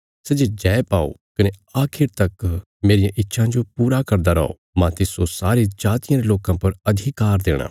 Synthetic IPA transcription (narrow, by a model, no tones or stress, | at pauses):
sed͡ʒed͡ʒɛːepaːo̰kɐneaːkʰɪɾt̪ɐk | meːɾɪjãʔɪtːʃʰãd͡ʒopuːɾakɐɾd̪aɾɐ̰o̰ | mãt̪ɪsosaːɾed͡ʒaːt̪ɪjãɾeloːkãpɐɾɐd̪ʱɪkaːɾd̪eːɽ̃a̰ː